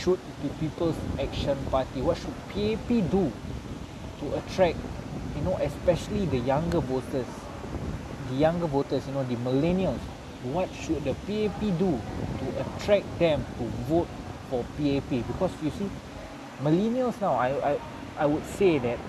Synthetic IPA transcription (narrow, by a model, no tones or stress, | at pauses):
ʃut̚tupipəlsɛk̚ʃə̃npatiwɔt̚ʃud̚pʰiepidu | tuʔətʰɹɛk̚junoʔɛspɛʃəlidəjãŋɡəvotəs | dəjãŋɡəvotəsjunodəmilɛniəls | wɔt̚ʃut̚dəpiepidutuʔətʰɹɛk̚dɛ̃mtuvot̚fɔpiepibikɔsjusi | milɛniəlsnawajaj | ʔajwud̚sedɛt̚